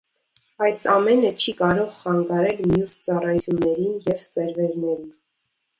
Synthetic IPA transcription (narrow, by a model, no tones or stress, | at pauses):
ɑjsɑmɛnət͡ʃʰikɑɾɔʁχɑŋɡɑɾɛlmjust͡sɑrɑjt͡sʰjunːɛɾinjɛvsɛɾvɛɾnɛɾin